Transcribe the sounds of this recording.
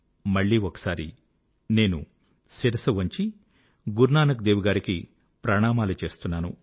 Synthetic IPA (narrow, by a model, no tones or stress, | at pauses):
mɐɭːiːɔkɐ̥saːɾḭ | ne̞ːnṵ | siɾɐsɐʋɐɲt͡ʃi | ɡuɾnaːnɐkd̪eːʋuɡaːɾiki | pɾɐɳaːmaːlut͡ʃe̞ːst̪unːaːnu